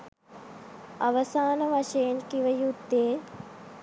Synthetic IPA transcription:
ɐʋɐsaːnɐʋɐʃeːnkiʋɐjud̪eː

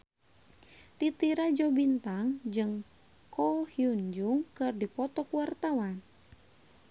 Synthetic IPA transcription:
t̪it̪iɾad͡ʒɔbint̪aŋd͡ʒɨŋ | kɔhjuɲd͡ʒuŋkɨrdipɔt̪ɔkuwart̪awan

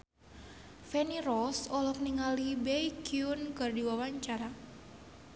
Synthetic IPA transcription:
fɛnirɔsɔlɔkniŋalibɛjkiunkɨrdiwawaɲt͡ʃaɾa

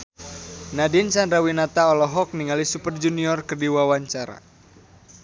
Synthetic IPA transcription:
nadinsanɾawinat̪aɔlɔɦɔk̚niŋalisupərd͡ʒuniɔrkərdiwawaɲt͡ʃaɾa̰

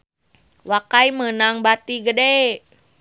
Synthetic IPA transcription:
wakaimənaŋbat̪iɡəde

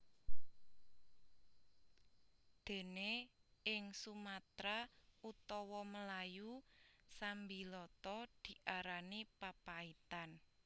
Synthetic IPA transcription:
d̪̥e̤neɪŋsumat̪ɾaut̪ɔwɔməlajusambilɔt̪ɔd̪̥i̤ʔaɾanipapait̪an

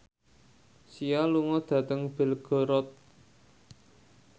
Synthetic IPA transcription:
sialuŋɔd̪̥ä̤t̪əŋb̥ɪ̤lɡ̥ɔ̤ɾɔt̪̚

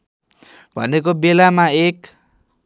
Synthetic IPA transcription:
bʱʌ̰nek̬obelamaek

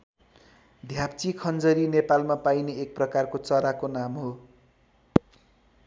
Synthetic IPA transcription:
d̪ʱjapt͡sikʰʌnd͡zʌɾinepalmapajneːk̚prʌkarkot͡sʌɾakonamɦo

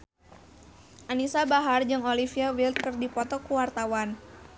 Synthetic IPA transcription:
ʔanisabaɦard͡ʒɨŋolifiawilt̪̚kɨrdipɔt̪ɔkuwart̪awan

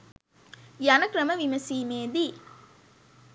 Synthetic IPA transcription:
jɐnɐkɾɐməʋimɐsiːmeːd̪i

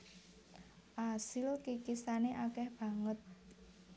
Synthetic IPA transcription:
ʔasɪlkikisaneʔakɛhb̥ä̤ŋət̪̚

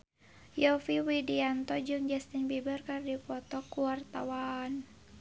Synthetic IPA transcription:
jɔfiwidiant̪ɔd͡ʒɨŋd͡ʒɛst̪inbibərkardipɔt̪ɔkuwart̪awan

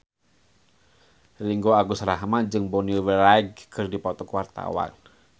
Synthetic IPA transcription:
riŋɡoaɡusɾaɦmad͡ʒɨŋbɔniuwəɾaiɡ̚kʰɨrdipɔt̪ɔkuwart̪a̰wa̰n

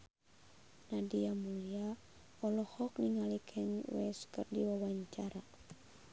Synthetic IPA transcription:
nadiamulia | ɔlɔhɔk̚niŋalikʰɛɲwɛ̰skɨrdiwawaɲt͡ʃaɾa

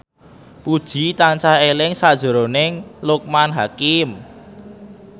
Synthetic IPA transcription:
pud̥ʒ̥i̤t̪ant͡ʃaelɪŋsad̥ʒ̥ə̤ɾonɪŋlʊk̚manɦakɪm

